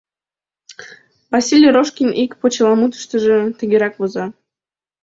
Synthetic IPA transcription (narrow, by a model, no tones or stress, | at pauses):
vɑsʲilʲjɾoʃkʲinʔikpot͡ɕəlˠɑmut̪ə̥ʃt̪əʒə̆t̪əɣʲeɾɑkβozɑ